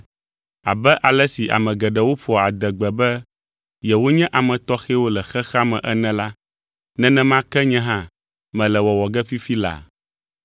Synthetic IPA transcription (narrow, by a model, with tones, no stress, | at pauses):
a̰˨bɛ˦ʔa˨lɛ˦si˨ʔa̰˨mɛ̃˨ɡɛ˨ɖɛ˨wo˦ɸɔ˨a˨d̪ɛ˨ɡ͡bɛ˨bɛ˦ | jɛ˨wo˦ɲɛ̃˦ʔa˨mɛ̃˨t̪ɔ˦xɛ˦wo˦lɛ˨xɛ˦xa˦mɛ̰̃˨ʔɛ˦nɛ̃˦la˦ | nɛ̃˦nɛ̃˦mã˦kɛ˦ɲɛ̃˦ɦã˦ | mɛ̃˨lɛ˨wɔ˨wɔ˨ɡɛ˦fi˦fi˦la̰˨